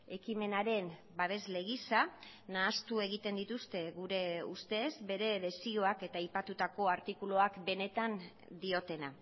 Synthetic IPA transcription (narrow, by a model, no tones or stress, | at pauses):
e̞kime̞naɾe̞n | baβe̞zle̞ɣisa | naːst̪ue̞ɣ̞it̪e̞nd̪it̪ust̪e̞ɣuɾe̞ust̪e̞zbe̞ɾe̞βe̞sio̞ake̞t̪aːjpat̪ut̪ako̞aɾt̪ikulo̞akbe̞ne̞t̪an | d̪io̞t̪e̞na